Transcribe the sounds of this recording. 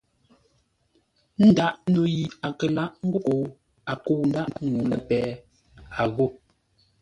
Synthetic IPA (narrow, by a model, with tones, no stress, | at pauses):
n̩˦da˦ʔno˨ji˨a˨kə˨la˦ʔŋ̩˦ɡo˦ko˨ | a˨ko˨n̩˦da˦ʔŋu˨lə˨pɛː˨˦ | a˨ɣo˦˨